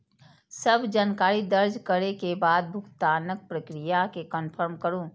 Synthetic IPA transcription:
səbʱd͡ʒaːnkaːɾid̪əɾd͡ʒkəɾekebaːd̪̚bʱʊkt̪aːnək̚pɾəkɾijakekənpʰəɾmkəɾũː

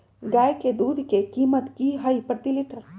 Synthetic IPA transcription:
ɡaːjked̪uːd̪ʱkekiːmət̪kiɦaipɾt̪iliʈəɾ

